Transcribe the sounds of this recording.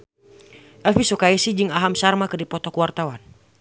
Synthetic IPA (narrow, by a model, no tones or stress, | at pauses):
ʔɛlfisɔkaɛsid͡ʒɨŋaɦamsarmakɨdipɔt̪ɔkuwart̪awan